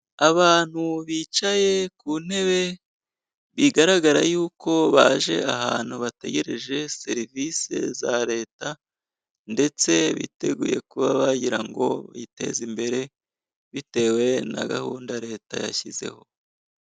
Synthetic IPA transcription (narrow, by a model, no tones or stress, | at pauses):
aβaːn̥huβit͡ʃaje̞kune̞βe̞ | βiɡaɾaɡaɾajuːko̞βaʒe̞̰aɦaːn̥huβate̞̰ɡe̞ɾe̞ʒe̞se̞ɾivise̞̰zaɾe̞ːta | nde̞t͡se̞βḭte̞ɡṵːje̞̰kuβaβaɟiɾaŋɡo̞̰βite̞̰zimbe̞ɾe̞ | βite̞we̞na̰ɡahuːndaɾe̞ːta̰ja̰çize̞̰ho̞